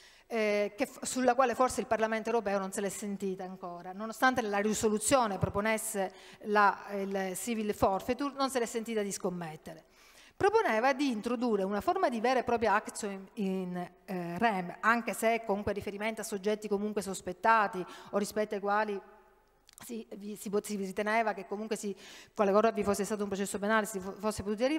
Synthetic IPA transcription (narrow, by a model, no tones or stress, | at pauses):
kefsulːakwaːleforseilparlament̪oewɾopɛːononselɛsːent̪iːt̪aːŋkoːɾanonost̪ant̪enelːarisolut̪sjoːnepɾoponesːelailsivilfɔrfet̪urnonselɛsːent̪iːt̪ad̪iskomːet̪ːeɾe | pɾoponɛːvad̪iːnt̪ɾod̪uːrːeunaformad̪ivɛːɾepɾɔːp̬ɾjoakt̪soin | rɛbaŋkesekːomuŋkwerifeɾiment̪asːod͡ʒːɛt̪ːikomuŋkwesospet̪ːaːt̪iorːispɛt̪ːoajkwaːli | sivisisirit̪enɛːvakekːomuŋkwesikwalekɔːzavifosːest̪aːt̪oumpɾot͡ʃɛsːopenaːlesfosːep̬ot̪uːt̪iarːi